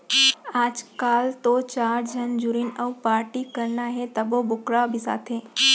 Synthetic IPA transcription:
aːd͡ʒkaːlt̪ot͡ʃaːɾd͡ʒʱənd͡ʒuɾinəwpaːɾʈikəɾnaɦet̪əbobʊkɾabʱisa̰ːt̪ʰe

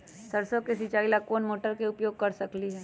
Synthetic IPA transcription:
sɐɾsokesit͡ʃaːilakoːnmoːʈəɾkeʊpjoːɡ̚kɐɾsɐkliɦɛː

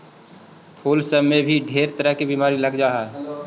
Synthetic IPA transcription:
pʰuːlsəmːẽbʱiɖʱeːɾt̪əɾəɦkibimaːɾiləɡd͡ʒaːɦɛː

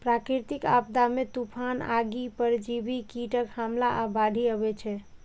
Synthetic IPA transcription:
pɾakɾit̪ika̰bd̪amet̪upʰana̰ɡipəɾd͡ʒibikiʈəkhamlaʔabaɖʱiəbɛt͡ʃʰɛ

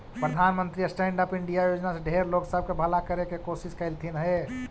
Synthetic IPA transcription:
pɾəd̪ʱanmənt̪ɾiəsʈeɳɖəpiɳɖijajod͡ʒnasẽɖʱeɾloksəb̚ʱkebʱəlakəɾekekosiskəɪlt̪ʰinɦe

